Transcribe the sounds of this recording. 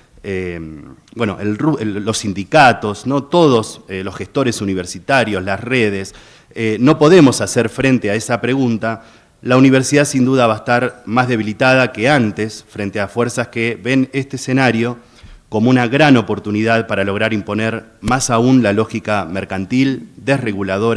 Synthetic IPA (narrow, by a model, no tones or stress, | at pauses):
e | bwe̞no̰ʔelrulo̞sːind̪ikat̪o̞sno̞t̪o̞ð̞o̞selo̞sxest̪o̞ɾesuniβeɾsit̪aɾjo̞slasreð̞es | eno̞po̞ðe̞mo̞saseɾfɾent̪eaesapɾe̞ɣunt̪a | launiβ̞eɾsiðasind̪uðaβaest̪aɾmazðe̞βilit̪að̞ake̞ant̪esfɾent̪eafweɾsaskeβe̞nest̪eːsenaɾjo̞ | ko̞mounaɣɾano̞po̞ɾt̪uniðaðpaɾalo̞ɣ̞ɾaɾimpo̞neɾ | masaunlalo̞xikameɾkant̪ild̪e̞sre̞ɣulað̞o̞ɾ